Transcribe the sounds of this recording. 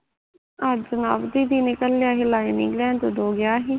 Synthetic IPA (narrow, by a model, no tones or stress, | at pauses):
aːd͡ʒənaːbd̪iːd̪iːnɪkəlːjaːɦɪlaːiːnḭːklãːnt̪od̪oːɡɪjaːɦiː